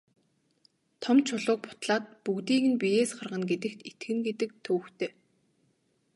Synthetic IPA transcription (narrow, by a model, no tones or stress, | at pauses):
t̪ʰɔmt͡ɕʰʊɮʊːk̚pʊ̥t̪ɮaːt̪̚pukt̪iːɣɘ̆npijeːsɢarʁə̆nɡet̪ɘ̆kt̪et̪ɡɘ̆ŋɡet̪ɘ̆k̚t̪ʰɵːxt̪ʰeː